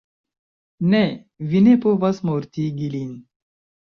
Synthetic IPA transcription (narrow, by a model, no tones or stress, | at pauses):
ne | vinepovɐsmoɾt̪iɡilin